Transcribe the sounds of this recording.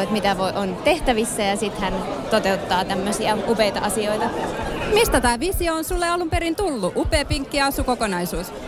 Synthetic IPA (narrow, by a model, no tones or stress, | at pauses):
et̪mit̪æʋoiʔont̪eht̪æʋisːæjɑsit̪hænt̪ot̪eut̪ːɑːt̪æmːøsiɑupeit̪ɑ̰ɑsioit̪ɑmist̪æt̪æːʋisioonsulːeɑlumpeɾint̪ulːuʔupeːpiŋkːiɑɑsukokonɑisuːs